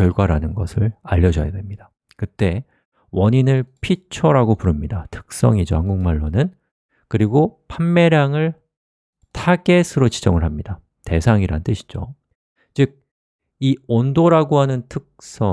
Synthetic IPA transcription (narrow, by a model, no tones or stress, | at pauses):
jʌɭɡwaɾanɯnɡʌ̰sʰɯɭaʎːʌd͡ʑʌ̰ja̰dwe̞mɲida | kɯt͈e̞ | wʌɲinɯɭpʰit͡ɕʰʌɾaɡopuɾɯmɲidatʰɯ̥k̚s͈ʌ̰ŋid͡ʑohaŋɡuŋmaɭːonɯn | kɯɾiɡopʰamːe̞ɾjaŋɯɭ | tʰaɡe̞sʰɯɾot͡ɕid͡ʑʌŋɯɭɦamɲida | te̞sʰaŋiɾa̰nɯnt͈ɯɕʰi̥d͡ʑo | t͡ɕɯɡ̚ | iondoɾaɡohanɯntʰɯk̚s͈ʌ